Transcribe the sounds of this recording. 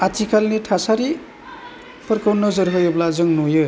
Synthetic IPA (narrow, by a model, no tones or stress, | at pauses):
atʰikʰalniʈʰasaɾi | pʌɾkownɔzɯɾɦɯjɯblazɯŋnujɯ